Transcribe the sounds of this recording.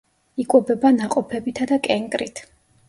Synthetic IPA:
ikʼwɛbɛbanaqʼɔpʰɛbit̪ʰad̪akʼɛŋkʼɾit̪ʰ

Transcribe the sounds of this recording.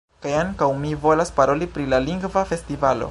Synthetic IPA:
kajaŋkawmivo̞laspaɾo̞lipɾilaliŋɡvafe̞stivalo̞̰

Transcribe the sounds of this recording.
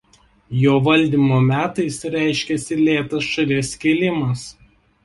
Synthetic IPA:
joːʋɐlʲˑd̪ʲiːmoːmʲæːt̪ɐɪsɾʲæˑɪʃʲkʲɛsʲɪlʲeːt̪ɐsʃɐlʲeːsʲkʲiːlʲɪmɐs

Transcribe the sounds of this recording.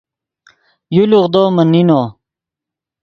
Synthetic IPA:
juluʁd̪oːmɐnːinoː

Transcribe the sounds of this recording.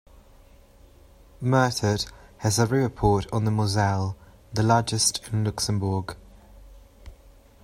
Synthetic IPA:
mɜˑtʰəthəzəɹʉːəpʰɔˑtn̩ðəmozɛlˠ | ðəlɑːd͡ʒɪstʰɪ̃nlʊksə̃mbəːɡ̥

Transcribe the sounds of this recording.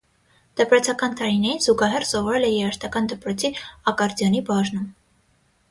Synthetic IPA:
d̪̥əpɾɔt͡sʰɑkɑnt̪ɑɾinɛjinz̥uɡɑɦɛrsɔvɔɾɛlɛjɛɾɑʃt̪ɑkɑnd̪əpɾɔt͡sʰiɑkɑɾd͡zjɑnibɑʒnum

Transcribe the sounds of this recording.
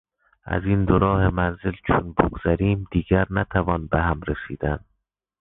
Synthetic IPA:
æ̰ziːnd̪oɾɒːhemænzelt͡ʃʰonbo̰ɡz̥æɾiːmd̪iːɡæɾnæt̪ʰævɒːnbeɦæmɾesiːd̪ænd̪̥

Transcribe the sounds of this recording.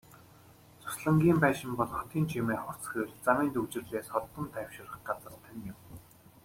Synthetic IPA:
t͡sʰʊ̥sɮə̆ŋɡʲiːmpæːʃɪ̆mpɔɮχɔ̥t̪ʰiːnt͡ɕʰimeːχʊr̥t͡sxeːrt͡samiːnt̪uwt͡ɕɪ̆rɮeːsχɔt̪ɞ̆nt̪ʰæwʃɪ̆rə̆χɢat͡sə̆rt̪ʰə̆njɪm

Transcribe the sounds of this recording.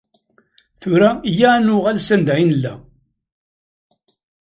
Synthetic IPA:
θʊɾæjænʊʁælsænd̪æʕinəlːæ

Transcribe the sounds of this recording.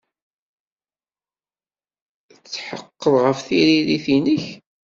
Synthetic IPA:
t͡sːħəqːəðˤʁəfθiɾiɾiθinəç

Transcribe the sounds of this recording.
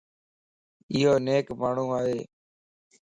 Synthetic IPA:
ɪɦoːneːkmaːɳ̤ũːaːɦeː

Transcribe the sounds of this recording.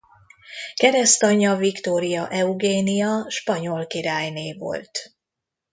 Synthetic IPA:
kɛɾɛst̪ɒɲɒvikt̪oːɾijɒʔɛuɡeːnijɒʃpɒɲo̞lkiɾaːjneːvo̞̰lt̪

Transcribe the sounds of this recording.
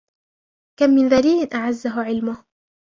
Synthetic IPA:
kamːɪnðaliːlɪnʔaʕazːaɦʊʕɪlmʊh

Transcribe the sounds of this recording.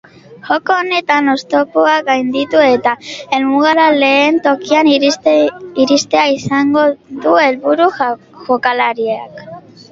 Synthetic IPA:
ʝo̞koːne̞t̪ano̞st̪o̞kuaɡajnd̪it̪ue̞t̪ae̞lmuɣaɾale̞ːnt̪o̞kian | iɾist̪e̞aisaŋɡo̞ðue̞lβuɾu | ʝo̞kalaɾia̰k

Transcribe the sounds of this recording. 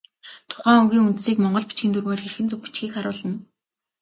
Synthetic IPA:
t̪ʰʊ̥χæːuŋɣʲiːŋunt̪siːkmɔɴɢɞ̆ɮpi̥t͡ɕɡʲĭnt̪ʰurɣeːrxerxɘ̆nt͡sɵk̚pi̥t͡ɕɡiːkχaɾʊːɮə̆n

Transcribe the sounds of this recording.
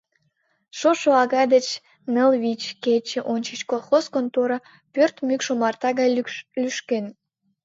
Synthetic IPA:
ʃoʃoɑɣɑd̪ət͡ɕ | nəlβʲit͡ɕket͡ɕeʔonʲt͡ɕət͡ɕkolˠxoskont̪oɾɑ | pørt̪mykʃomɑrt̪ɑɣɑjlyʃken

